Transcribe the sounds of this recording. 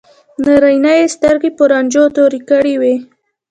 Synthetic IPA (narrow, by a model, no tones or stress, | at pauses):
naɾajnajest̪əɾɡepəɾɑnd͡ʒot̪oɾikəɽiwe